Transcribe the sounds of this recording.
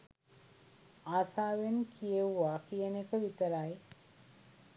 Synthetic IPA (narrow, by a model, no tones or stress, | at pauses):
aːsaːʋenkʰijeʋuʋakijənekəʋit̪əɾaj